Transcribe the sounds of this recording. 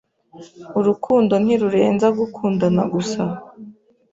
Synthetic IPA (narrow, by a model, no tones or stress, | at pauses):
uɾukʰuːndo̞n̥hiɾuɾe̞ːnzaɡukʰuːndana̰ɡusa